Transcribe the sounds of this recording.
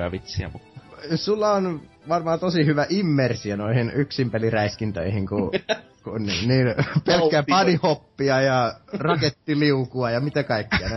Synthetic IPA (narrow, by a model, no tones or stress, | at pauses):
jɑ̰ʋit̪sḭæ̰musulːɑon | ʋɑrmɑːt̪osihyʋæʔimːersiønoihinyksimpeliræiskint̪ø̰ihiŋku | kunnḭnniːnpelkːæɑnihopːiɑjɑrɑket̪ːiliukuɑjɑmit̪ækɑikːiɑn